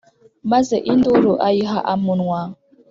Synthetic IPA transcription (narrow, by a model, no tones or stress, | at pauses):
mazeʔindoɾoʔajiɦaʔamunwa